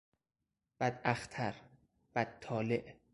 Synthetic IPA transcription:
b̥æd̪æxt̪ʰæɾ | b̥æd̪̚t̪ːʰɒːleʔ

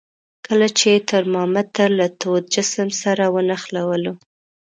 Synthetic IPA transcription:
kəlat͡ʃet̪əɾmɑmat̪əɾlat̪od̪̚d͡ʒɪsəmsaɾawənaxlawəlo

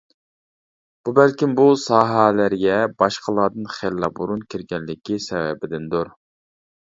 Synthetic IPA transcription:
b̥ubɛlkʲimbusɑːɦælæɾɡʲɛbɑʃqʰəlˠɑd̪ɨnχelːɑbuɾunkʲʰiɾɡʲɛnlɪkʲisɛwɛ̰bɪd̪ɪnd̪uɾ

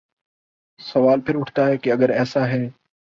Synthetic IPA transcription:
sɐʋaːlpʰɪɾʊʈʰt̪aɦɛːkiɐɡəɾɛːsaɦɛː

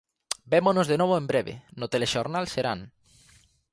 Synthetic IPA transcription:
bemonozðenoβ̞oẽmbɾeβḛnot̪eleʃoɾnalseɾa̰n

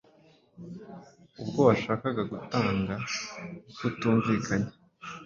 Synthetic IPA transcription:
ub̚ɡo̞βaʃaːkaɡaɡutaːŋɡa | kutuːɱviːkʰaɲe

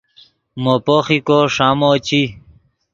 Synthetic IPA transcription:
mopoxikoʂamot͡ɕi

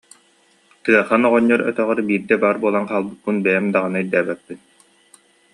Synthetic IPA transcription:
t̪ɯɐχanɔʁɔɲːɔɾœ̰t̪œʁœɾbiːɾd̪ɛbaːɾbuɔlˠanqaːlˠbɯt̪̚pːɯnbɛjɛmd̪aʁanaijd̪æːbɛpːin

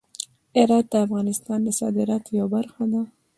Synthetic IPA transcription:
ɪɾɑt̪̚d̪əafɣɑnɪst̪ɑnd̪əsɑ̰d̪ɪɾɑt̪jawbaɾxad̪a

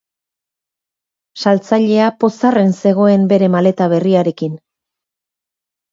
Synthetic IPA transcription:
salt͡saʎe̞apo̞sare̞nse̞ɣ̞o̞e̞mbe̞ɾe̞male̞t̪aβ̞e̞riaɾe̞kin

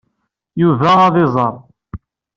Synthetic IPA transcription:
juvæːðˤɪzˤɑɾˤ

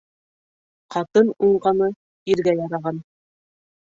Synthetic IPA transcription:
qɑt̪ɤnuɴɢɑnɤ | iɾɡæjɑɾɑʁɑn

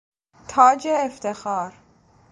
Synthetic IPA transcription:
t̪ʰɒːd͡ʒeːft̪exɒːɾ

